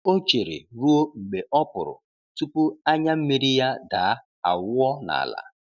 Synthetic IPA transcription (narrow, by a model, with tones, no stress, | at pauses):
o˦t͡ʃe˨ɾḭ˨ɾu˦o˦ŋ͡m̩˨ɡ͡be˨ʔɔ˦pʊ˨ɾʊ̰˨ | tu˦pu˦a˦ɲa˦m̩˦mi˦ɾi˦ja˦daː˨˦ | a˨wʊ˦ɔ˦na̰˨la̰˨